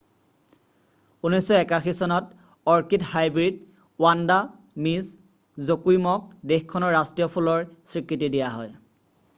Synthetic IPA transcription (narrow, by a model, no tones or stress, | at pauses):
unɔjsɔɛkaxisɔnɔt | ɔɹkithajbɹid̚ | wanda | mis | zokujmɔk̚dexkʰɔnɔɹːastɹijɔpʰulɔɹsɹikʰɹitidijaɦɔj